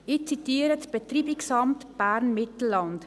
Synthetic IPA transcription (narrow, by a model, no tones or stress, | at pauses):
ɪt͡sitiːəɾətb̥et̪riːbɪksɑmtb̥æɾnmɪtl̩ːɑnt